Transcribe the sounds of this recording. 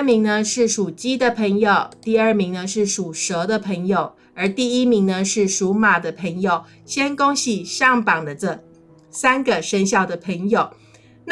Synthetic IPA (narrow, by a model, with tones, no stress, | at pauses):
mi˧˥ŋnə˧ʂɻ̩˥˩ʂu˨˩t͡ɕi˥d̪ə˨pʰə˧˥ŋjo˨˩ʊt̪i˥˧ə˞˥˩mi˧˥ŋnə˧ʂɻ̩˥˩ʂu˨˩ʂɤ˧˥d̪ə˧pʰɤ˧˥ŋjo˨˩ʊ | ə˞˧˥t̪i˥˩i˥mi˧˥ŋnə˧ʂɻ̩˥˩ʂu˧˥ma˨˩d̪ə˦pʰə˧˥ŋjo˨˩ʊ | ɕjɛ˥nkʊ˥ŋɕi˥˩ʂɑ˥˩ŋpɑ˨˩ŋd̪ə˦t͡sə˥˩ | sa˥nɡə˨ʂə˥ŋɕ̬jɑ˥˩ʊd̪ə˩pʰə˧˥ŋjo˨˩ʊ | n